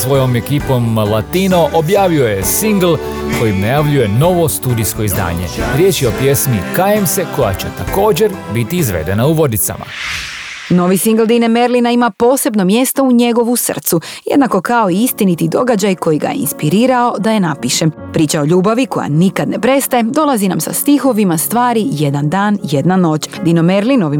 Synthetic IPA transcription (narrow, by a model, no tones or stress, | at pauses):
sʋo̞jo̞mekipo̞mlˠat̪ino̞ʔobjaːʋio̞jesiŋɡl̩ˠ | ko̞jimnajaʋʎuje̞no̞ʋo̞st̪uːd̪isko̞izd̪a̰ːɲe̞̰ɾjeːt͡ɕjeo̞pje̞smikajemseko̞ja̰t͡ɕet̪ako̞ːd͡ʑe̞ɾbit̪iːzʋḛd̪e̞nauʋo̞d̪it̪sa̰ma̰ | no̞ʋisiŋɡlˠd̪ineme̞ɾlinaimapo̞ːse̞bno̞mje̞st̪o̞uɲe̞ɡo̞ʋusr̩̰t̪sujed̪nako̞kao̞iist̪init̪id̪o̞ɡad͡ʑajko̞jiɡa̰jeinspiɾiːɾao̞d̪ajenapiʃepɾiːt͡ɕao̞ʎuːbaʋiko̞̰ja̰nikad̪ne̞pɾe̞st̪ajed̪o̞lˠazinamsa̰st̪ixo̞ʋimast̪ʋaːɾije̞d̪and̪aːnje̞d̪nano̞ːt͡ɕd̪inomeɾlino̞ʋi